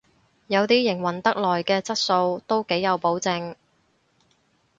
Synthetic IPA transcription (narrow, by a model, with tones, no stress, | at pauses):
jɐ˨˧wt̪iː˥jɪ˨˩ŋwɐ˨˩nt̪ɐ˥k̚lɔː˨˩jkɛː˧t͡sɐ˥t̚so˧wt̪o˥wke˨˥jjɐ˨˧wpo˨˥wt͡sɪ˧ŋ